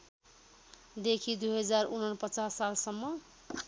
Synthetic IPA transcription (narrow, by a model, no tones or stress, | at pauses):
d̪ekʰid̪uɦʌd͡zaɾunʌnpət͡sasːalsʌmːʌ